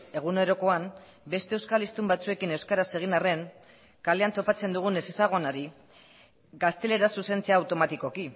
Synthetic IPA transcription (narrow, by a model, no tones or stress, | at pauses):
e̞ɣ̞une̞ɾo̞ko̞am | be̞st̪e̞ewskalist̪umbat͡sue̞kine̞wskaɾase̞ɣ̞inare̞ŋ | kale̞ant̪o̞pat͡se̞nd̪uɣ̞une̞sesaɣ̞o̞naɾi | ɡast̪e̞le̞ɾasuse̞nt͡seaːwt̪o̞mat̪iko̞ki